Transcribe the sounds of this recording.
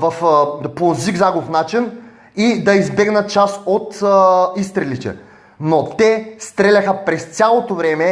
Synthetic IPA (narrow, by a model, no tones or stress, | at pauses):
vɐfpoziɡzaɡofnat͡ʃin | id̪ɐizbɛɡnət̪̚t͡ʃasot̪ist̪ɾɛlit̪ɛ̰ | not̪ɛst̪ɾɛlʲɐxəpɾɛst̪sʲalˠot̪ovɾɛmɛ